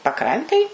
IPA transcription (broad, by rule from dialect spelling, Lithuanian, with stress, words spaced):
pɐˈkrɐnʲtʲeːj